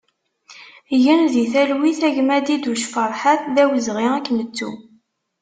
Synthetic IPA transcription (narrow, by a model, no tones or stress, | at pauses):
jənðiθælwiθæʝmæd̪id̪uʃfəɾˤħaθðæwəzʁiækːnət͡sːṵ